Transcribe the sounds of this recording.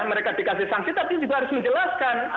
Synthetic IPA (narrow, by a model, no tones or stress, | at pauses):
məɾekad̥ikasɪhsaŋsit̪apid͡ʒuɡaɦaɾʊsməɲd͡ʒəlaskan